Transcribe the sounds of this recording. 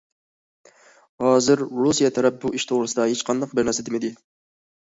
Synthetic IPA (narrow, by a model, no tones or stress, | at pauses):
hɑːzɪɾɾusijɛt̪ʰæɾɛp̚buiʃt̪ʰoʁɾɨsɨd̪ɑhet͡ʃqʰɑnd̪ɑq̚bɪɾnæɾsɛd̪emɪd̪ɪ